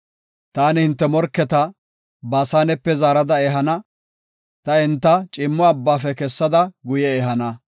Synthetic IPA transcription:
t̪aːnɪhɪnt̪ːɛmɔɾkːɛt̪ɐ | baːsaːnɛpːɛzaːɾɐd̪ɐeːɦɐnɐ | t̪ɐɪnt̪ːɐt͡ʃʼɪmːɔɐbːaːfɛkɛsːɐd̪ɐɡʊjɛeːɦɐnɐ

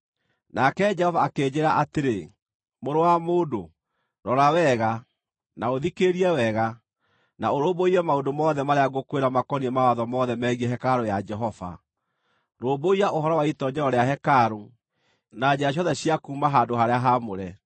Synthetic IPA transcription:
nakɛd͡ʒɛhɔvaːkeːd͡ʑeɾaʔateɾe | moɾowamoːdo | ɾɔɾawɛɣa | naoðikeɾiɛwɛɣa | naoɾoboiɾɛmaondomɔːðɛmaɾeaɣokweɾamakɔniɛmawaðɔmɔðɛmɛɣiɛɦɛkaɾojad͡ʒɛɦɔva̰ | ɾoːboiaʔoɦɔɾɔwaitɔd͡ʒɛɾɔɾeaɦɛkaɾo | nad͡ʑeɾaɕ̬jɔðɛɕiakuːmaɦadohaɾeaɦamoɾɛ

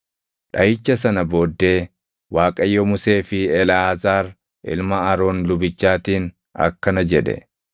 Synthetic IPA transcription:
ᶑɐjɪt͡ʃːɐsɐnɐbo̞ːd̪ːe̞ː | waːkʼɐjːɔmʊse̞ːfɪɛlaːzaːɾ | ʔɪ̰lmɐɐɾo̞ːnlʊbɪt͡ʃːaːt̪iːn | ɐ̰kːɐnɐd͡ʒɛᶑɛ̰

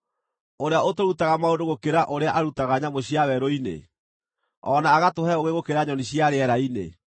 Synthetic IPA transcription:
oɾeaotoɾutaɣamaondoɣokeɾaʔoɾeaʔaɾutaɣaɲamoɕiawɛɾoinḛ | ɔnaːɣatohɛoɣeɣokeɾaɲɔniɕiaɾeɛɾainḛ

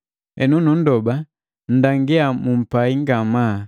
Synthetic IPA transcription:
ɛ̰nunun̩dɔba | n̩daŋɡɛamum̩paiŋɡama

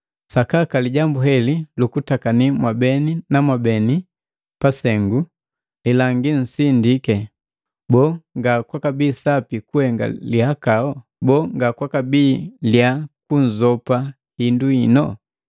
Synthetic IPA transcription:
sakakaliɟambuɦɛlilukutakanimwabɛninamwabɛni | pasɛŋɡu | ɛlaŋɡin̩sindikɛ | bɔŋɡakwakabiːsapikuhɛŋɡa̰lihakaɔ | bɔːŋɡakwakabiːljakun̩zɔpa | hinduinɔ

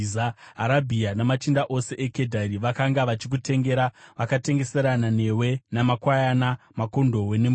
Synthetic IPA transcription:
aɦaɾabʱianamat͡ʃindaʔo̞se̞ʔeke̞dʱaɾiʋakaŋɡaʋat͡ʃik̬ute̞ŋɡe̞ɾaʋakate̞ŋɡe̞se̞ɾanane̞we̞namakwajana | mako̞ndo̞wenem

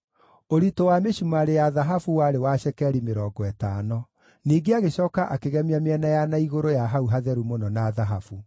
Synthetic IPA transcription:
oɾitowameɕumaɾejaðaɦafuwaɾewaɕɛkɛɾimeɾɔːɡɔɛtanɔ | niːɡeaɣeɕɔːkaʔakeɣɛmameɛnajanaiɣoɾojaɦauɦaðɛɾumonɔnaðaɦafu

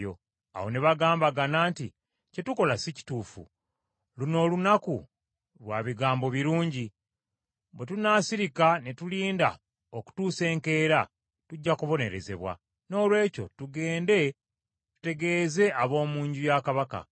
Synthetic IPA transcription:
o̰ | a̰wo̞neβaɡaːmbaɡanaːnti | ce̞tuko̞lasici̥tuːfṵ | luno̞ːlunaku | lwaːβiɡaːmbo̞βiɾuːɲɟi | bwetunaːsiɾikane̞tuliːnda̰ | oku̥tuːse̞ːŋke̞ːɾa | tuɟːakuβo̞ne̞ɾe̞ze̞̰βwa̰ | no̞ːlwe̞ːco̞̰tuɡe̞ːnde̞ | tu̥te̞ɡe̞ːze̞aβo̞ːmuːɲɟujakaβaka̰

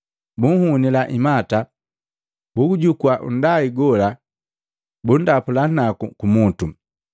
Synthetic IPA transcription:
buŋ̩hunilaʔimata | bukuɟukwaʔṵndaiɡɔla | bundapulanakukumutu

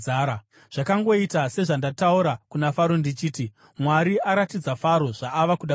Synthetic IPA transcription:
aɾa | ʐ̥akaŋɡo̞itase̞ʐandatauɾakunafaɾondit͡ʃiːti | mwaɾiaɾatid͡zafaɾo̞ʐ̥aːʋakuɗa

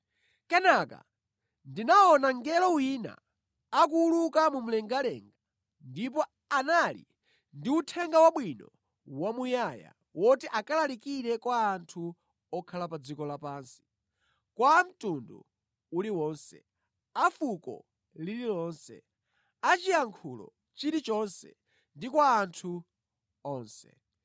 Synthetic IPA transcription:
kɛnaka̰ | ndinaɔnaŋɡɛlɔwina̰ː | k̬uːlukamum̩lɛŋɡalɛ̰ŋɡa | ndip̬ɔ | analḭ | ndiutʰɛŋɡawaɓwinɔ̰ | wamujaja̰ | wʔɔtiʔakalalikiɾɛkwaːntʰu | ɔkʰalapad͡zikɔlapaːnsi̥ | kwam̩tundṵ | uliwɔːnsɛ̰ | afukɔ̰ | lililɔːnsɛ̰ | at͡ʃijaŋkʰulɔ̰ | t͡ʃiɾit͡ʃɔnsɛ̰ | ndikwaːntʰu | ɔːnsɛ̰

